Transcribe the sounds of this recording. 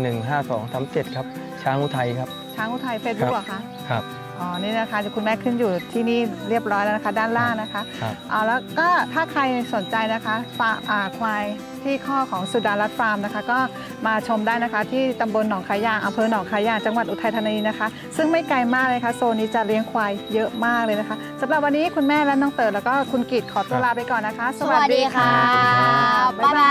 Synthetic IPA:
nɯ˨˩ŋɦaː˥˩sɔː˩˦ŋsʰa˦˥mt͡ɕe˨˩t̪̚kʰa˦˥p̚ | t͡ɕʰaː˦˥ŋʔu˧t̪ʰa˧jkʰa˦˥p̚t͡ɕʰaː˦˥ŋʔu˧˥˩t̪ʰa˧jfeː˧˦˥t̪̚bk̚a˨˩kʰa˦˥ʔ | kʰa˦˥p | ʔɔː˧˩niː˦˥˩na˦˥kʰa˦˥jkʰu˧nmɛː˦˥˩kʰɯ˥˩njuː˨˩t̪ʰiː˥˩niː˥˩ɾi˥˩əp̚ɾɔː˦˥jla˧˥na˦˥kʰa˦˥daː˥˩nlaː˥˩ŋna˦˥kʰa˦˥ʔʔɔː˨˩lɛː˦˥kɔː˥˩t̪ʰaː˥˩kʰa˧jso˨˩˦nt͡ɕa˧jna˦˥kʰa˦˥fa˧˥ʔaː˨˩kʰwaː˧j | t̪ʰiː˥˩kʰɔː˥˩kʰɔː˩˦ŋsu˨˩daː˧nla˦˥t̪̚faː˧mna˦˥kʰa˦˥kɔː˥˩ | maː˧t͡ɕʰo˧mdaː˥˩jna˦˥kʰa˦˥t̪ʰiː˥˩t̪a˧mbo˧nːɔː˩˦ŋkʰaː˧˥jaː˨˩ŋʔa˧mpʰɤː˧nɔː˩˦ŋkʰaː˧˥jaː˧˩ŋt͡ɕa˧ŋwa˨˩t̪̚ʔu˨˩t̪ʰa˧jt̪ʰa˧na˧niː˧na˦˥kʰa˦˥ | sɯ˥˩ŋma˥˩jka˧jmaː˥˩k̚lɤː˧kʰa˦˥soː˧niː˦˥t͡ɕa˨˩ɾi˦˥əŋkʰwaː˧jːɤ˦˥ʔmaː˥˩k̚lɤː˧jna˦˥kʰa˦˥sa˨˩˦mɾa˨˩p̚wa˧nːiː˦˥kʰu˧nmɛː˥˩lɛ˦˥nɔː˥˩ŋt̪ɤː˨˩lɛ˦˥kɔː˥˩kʰu˧nki˨˩t̪̚kʰɔː˩˦t̪u˧ɐlaː˧pa˧jkɔː˨˩nːa˦˥kʰa˦˥ʔsa˨˧wa˨˩diː˧kʰa˧˥˩ | a˥

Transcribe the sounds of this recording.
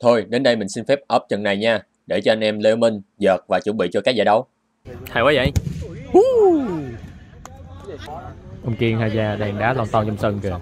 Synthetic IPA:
t̪ʰo˧jɗe˨˦nɗə˧jmï˨˩ŋ̟si˧nfɛ˦˥p̚ʔəː˦˥p̚t͡ɕə˨˩nna˨˩jɲaː˧ | ɗe˧˩t͡ɕɔ˧ʔa˧nʔɛ˧mle˧mï˧ŋzəː˨˩t̚vaː˨˩t͡ɕɨ˧˥˦ŋɓḭ˧˨t͡ɕɔ˧kaː˦˥k̚zaː˧˩ɗə˨˦w | haː˨˧˩waː˨˦za̰˧˨˧hu˦ | ʔə˧wŋ͡mki˧əŋhaː˨˩zaː˨˩ɗɛ˨˩ŋɗaː˨˦lɔː˧nt̪ɔ˧nt͡ɕɔ˧wŋ͡msəː˧ŋ͡mkɨ˨˩

